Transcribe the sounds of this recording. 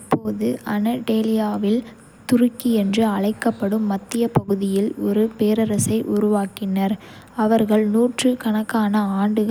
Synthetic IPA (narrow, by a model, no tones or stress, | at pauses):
ɪpːoːðɯʔɐnɐʈeːlɪjaːʋɪl | t̪ʊrɯkːiɛndrɯɐɭɐɪkːɐpːɐɽɯmːɐt̪ːɪjɐpɐɣɯðɪjɪlɔɾɯpeːɾɐɾɐsɐɪʔʊɾʊʋaːkɪnɐɾ | ɐʋɐɾɣɐɭnuːʈrɯkɐɳɐkːaːnɐaːɳɖɯɣɐ